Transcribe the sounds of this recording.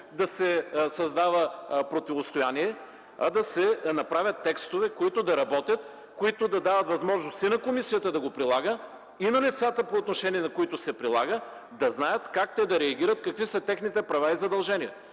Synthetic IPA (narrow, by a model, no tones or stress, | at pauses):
d̪ɐsɛsɐzd̪avəpɾot̪ivost̪ojaniɛ | ɐd̪ɐsɛnɐpɾavʲjət̪ːɛkst̪ovɛkoit̪od̪ɐɾɐbɔt̪ʲjət̪̚ | koit̪od̪ɐd̪avət̪vɐzmɔʒnost̪inɐkomisijət̪əd̪ɐɡopɾilˠaɡə | inɐlit̪sat̪əpoːt̪noʃɛniɛnɐkoit̪ʊsɛpɾilˠaɡə | d̪ɐznajət̪kakt̪ɛd̪ɐɾɛɐɡʲiɾət̪kɐkvisət̪ɛxnit̪ɛpɾɐvaizɐd̪ɐlˠʒɛniɛ